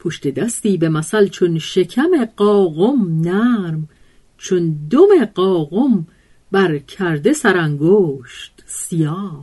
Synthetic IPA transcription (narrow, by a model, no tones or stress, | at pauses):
pʰoʃt̪e̞d̪æst̪iːbe̞mæsælt͡ʃʰonʃecʰæme̞ɢɒːɣomnæɾm | t͡ʃʰond̪ome̞ɢɒːɣom | bæɾcʰæɾd̪e̞sæɾæŋɡoːʃt̪sijɒː